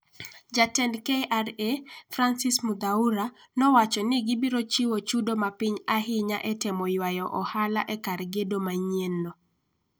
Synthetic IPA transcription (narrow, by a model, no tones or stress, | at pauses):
d͡ʒatɛnkeʔaɾefɾansismud̪auɾa | nɔwat͡ʃɔnɪɡɪbiɾot͡ʃiwot͡ʃudomapiɲaɦɪɲaʔɛtɛmɔjwajɔʔɔhala̰ʔɛkarɡedomaɲenːo